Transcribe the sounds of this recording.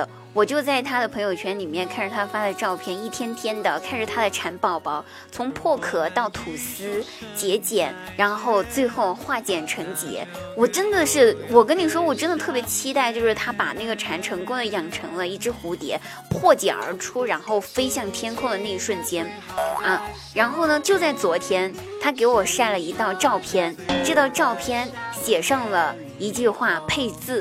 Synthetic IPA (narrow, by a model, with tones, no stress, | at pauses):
wɔ˨˩t͡ɕjo˥˧ʊt͡sa˥˩ɪt̪ʰa˥d̪ə˨pʰɤ˧˥ŋjo˧˩ʊt͡ɕʰɥɛ˧˥nli˨˩mjɛ˥˧nkʰa˥˩nʂ̩˨˩t̪ʰa˥fa˥d̪ə˧ʈ͡ʂɑ˥˧ʊpʰjɛ˥˩ni˥˩t̪ʰjɛ˥nt̪ʰjɛ˥nd̪ə˨kʰa˥˩˧nʂ̩˨˩t̪ʰa˥d̪ə˨ʈ͡ʂʰa˧˥npɑ˥˩ʊpɑ˥ʊ | t͡sʰʊ˧˥ŋpʰwɔ˥˩kʰɤ˨˩t̪ɑ˥˩ʊt̪ʰu˨˩sɹ̩˥ | t͡ɕjɛ˧˥t͡ɕjɛ˨˩˦n | ɻa˧˥nxo˥˧ʊt͡swe˥˧ɪxo˥˧ʊxwa˥˩t͡ɕjɛ˨˩nʈ͡ʂʰɤ˧˥ŋt͡ɕjɛ̰˧˥ | wɔ˨˩ʈ͡ʂə˥nd̪ə˨ʂɻ̩˥˩wɔ˨˩kə˥nni˨˩ʂ̬wɔ˥wɔ˨˩ʈ͡ʂə˥nd̪ə˨t̪ʰɤ˥˩pʲjɛ˧˥t͡ɕʰi˥t̪a˥˧ɪt͡ɕjo˥˧ʊʂɻ̩˥˩t̪ʰa˥pa˨˩na˥˩ɡə˩ʈ͡ʂʰa˧˥nʈ͡ʂʰɤ˧˥ŋkʊ˥ŋd̪ə˨jɑ˨˩ŋʈ͡ʂʰɤ˧˥ŋlə˧i˥˩ʈ͡ʂɻ̩˥xu˧˥t̪jɛ̰˧˥ | pʰwɔ˥˩t͡ɕjɛ̰˨˩nə̰˞˧˥ʈ͡ʂʰu˥ɻa˧˥nxo˥˩ʊfe˥ɪɕjɑ˥˩ŋt̪ʰjɛ˥nkʰʊ˥˩d̪ə˩na˥˩˥ʂwə˥˩nt͡ɕjɛ˥n | ə˥˩ | ɻa˧˥nxo˥˩ʊnə˩t͡ɕjo˥˧ʊt͡sa˥˩ɪt͡swɔ˧˥t̪ʰjɛ˥n | t̪ʰa˥k̬e˧˥ɪwɔ˨˩ʂa˥˩nlə˩i˧˥t̪ɑ˥˧ʊʈ͡ʂɑ˥˩ʊpʰjɛ˥nʈ͡ʂɤ˥˧t̪ɑ˥˧ʊʈ͡ʂɑ˥˩ʊpʰjɛ˥nɕjɛ˨˩ʂɑ˥˩ŋlə˩ | i˧˥t͡ɕy˥˧xwa˥˩pʰe˥˧ɪt͡sɹ̩˥˩